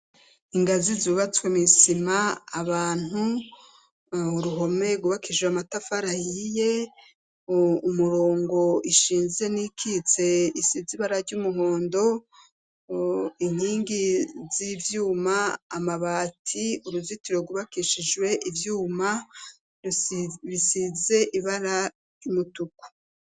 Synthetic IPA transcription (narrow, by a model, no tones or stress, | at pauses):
iŋɡazizuβat͡swemisimaːβaːn̥u | uɾuɦo̞me̞ɡuβakiʃweamatafaɾajije̞ | umuɾo̞ːŋɡo̞iʃiːnze̞nikʰit͡se̞isiziβaɾaɾɟuːmuho̞ːndo̞ | in̥hiːŋɡizivjuːmaːmaβaːtʰiuɾuzitiɾo̞ɡuβakiʃid͡ʒwe̞ʔivjuːma | βisize̞ʔiβaɾa | ɟumutuku̥